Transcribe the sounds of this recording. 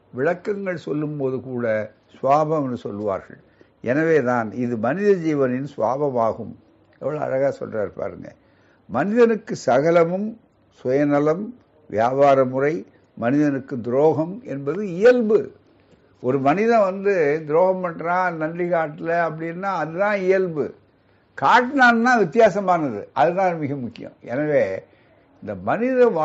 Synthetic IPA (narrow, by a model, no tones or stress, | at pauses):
ʋɪɻɐkːɐŋɡɐɭsɔlːɯmpoːðɯkuːɽɐ | sʋaːbɐ̃mɐnɯsɔlːɯʋa̰ːɾɣɐ̰ɭ | ʔɛnɐʋeːðaːnɪðɯmɐnɪðɐd͡ʒiːʋɐnɪnsʋa̰ːbɐmaːɣɯm | ɛʋːɐɭoɐ̰ɾɐɣaːsɔ̰lraːɾpa̰ːɾɯ̰ŋɡɐ̰ | mɐnɪðɐnɯkːɯsɐɣɐlɐmɯm | sɔjɐnɐlɐm | ʋɪjaːbaːɾɐmʊrɐɪ | mɐnɪðɐnɯkːɯd̪ɪɾoːɣɐmɛ̰nbɐðɯɪjɐlbɯ | ʔɔɾɯmɐnɪðɐ̃ʋɐnd̪ɯd̪ɪɾoːɣɐmpɐɳːɾãːnɐɳɖrɪɣaːʈːɪlɐɐp̬ːɐɽɪnːaːɐðɯt̪ãːɪjɐlbɯ̰ | kaːʈːnaːnnaːʋɪt̪ːɪjaːsɐmaːnɐðɯ̰ʔɐðɯt̪ãːmɪɣɐmʊkːɪjɐ̰̃mɛ̰nɐʋeː | ɪnd̪ɐmɐnɪðɐ̃ʋa